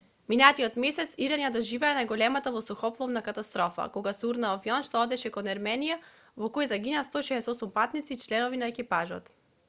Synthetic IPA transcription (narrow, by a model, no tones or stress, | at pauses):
minat̪iɔt̪mɛsɛt̪siɾaɲad̪ɔʒivɛanajɡɔlɛmat̪avɔsɔxɔplˠɔvnakat̪ast̪ɾɔfa̰kɔɡasuɾnaɔvjɔnʃt̪ɔɔd̪ɛʃɛkɔnɛɾmɛnija | vɔkɔjzaɡinast̪ɔʃɛːsɔsumpat̪nit̪sit͡ʃlɛnɔvinaɛkipaʒɔ̰t̪